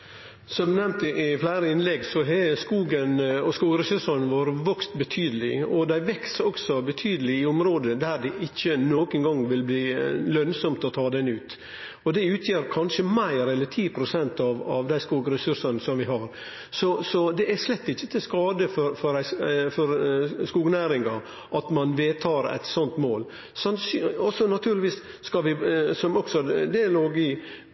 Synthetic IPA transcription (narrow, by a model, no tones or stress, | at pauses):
sɔmd̪ʉnɛmt̪ɪʔɪflæɪɾəɪnlɛɡsɔɦɛskuːɡənɔskuːɡɾɛsʉʂənʋɑːɾəʋœkst̪bət̪ʰyːd̪əlɪɔd̪æɪʋɛksɔksɔbɛt̪ʰyːd̪əlɪɪɔmɾoːd̪əd̪æɾɖɛʔɪçːənoːkənɡɑŋʋɪlbliːlœnsɔmt̪ɔt̪ʰɑːd̪ɛnʉːt̪ | ɔd̪ɛʉːt̪ʰjeːɾkʰɑnʂəmæɪɾɛlːəʈʰiːpʰɾʊsɛnt̪ɑʋɑ̰ʋd̪æɪskuːɡɾɛsʉʂənəsɔmʋɪɦɑɾ | sɔsɔd̪ɛʔæʂlɛt̪ːɪçːət̪ʰɪskɑːd̪əfɔɾfɔɾæɪfɔɾskuːɡnæːɾɪŋɑ | ʔɑt̪mɑnʋeːt̪ʰɑːɾæ̰ɪt̪sɔnt̪moːl | sɑnsɔsɔnɑt̪ʰʉːɾlɪʋiːsː | kɑʋɪsɔmɔksɔd̪ɛloːɡɪ